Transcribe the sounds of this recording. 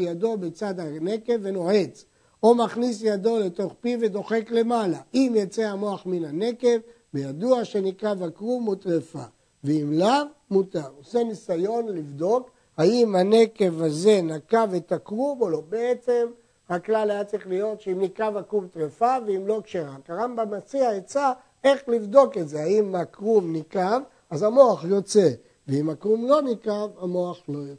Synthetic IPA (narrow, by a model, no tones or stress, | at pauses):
jad̪o̞bet͡sad̪hane̞ke̞vːe̞no̞ʕe̞t͡s | omaχnisjad̪o̞le̞t̪o̞χpive̞d̪o̞χe̞kle̞malaʔimjat͡seamo̞aχminane̞ke̞v | bejad̪uaʃe̞nikavakʁumot̪ʁefa | veimlavmut̪aʁosenisajo̞nlivd̪o̞k | haimhane̞ke̞vaze̞nakavet̪akʁumolobeet͡se̞m | haklalajat͡saʁiχlijo̞t̪ʃeimnikavakʁumt̪ʁefaveimlo̞kʃeʁakaʁambamat͡siaet͡sa | e̞χlivd̪o̞ke̞tze̞haimakʁumnikav | azamo̞aχjo̞t͡se | veimakʁumlo̞nikavamo̞aχlo̞joe